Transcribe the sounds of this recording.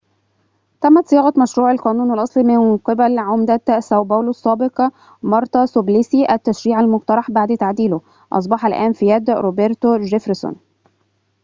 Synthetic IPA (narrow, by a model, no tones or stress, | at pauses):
t̪æmːæt̪sˤɪjɑːɣɑt̪mæʃɾuːʕalqɑːnuːnælʔɑsˤlimɪnqebælʕomd̪æsæwbæːlʊsˤːɑːbeqɑ | mɑɾˤt̪ˤɑsoblisiʔæt̪ːæʃɾiːʕalmʊqt̪ɑɾˤɑħbaʕd̪t̪aʕd̪iːlʊ | ʔɑ̰s̬ˤbɑħælʔæːnfijæd̪ɾobeɾt̪oʒefɾso̰n